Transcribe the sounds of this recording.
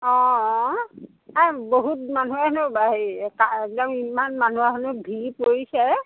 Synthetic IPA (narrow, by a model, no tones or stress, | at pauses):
ɔ̃ | aboɦut̚manuanʊbaɦikaɛk̚dɔmimanmanuaɦɔnʊbʱipoɹisɛ